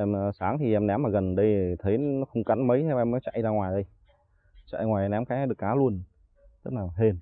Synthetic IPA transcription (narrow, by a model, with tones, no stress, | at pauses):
ʔɛ˧msaː˨˦ŋt̪ʰi˨˩ʔɛ˧mnɛ˨˦mːaː˨˩ɣə˨˩nɗə˧jt̪ʰə˨˦jnɔ˨˦xə˧wŋ͡mka˨˦nmə˨˦jt̪ʰe˨˧˦ɛ˧mɔ˨˦jt͡ɕa̰˧˨jzaː˧ŋwaː˨˩jɗə˧j | t͡ɕa̰˧˨jŋwaː˨˩jʔɛ˧mnɛ˨˦mkaː˨˦˨ɗɨ˨˩əkːaː˨˦lu˧ən | t̪ə˦˥k̚laː˨˩ɦe˧n